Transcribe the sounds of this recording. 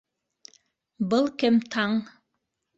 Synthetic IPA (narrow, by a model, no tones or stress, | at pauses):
bɤlˠkɘmt̪ʰɑɴ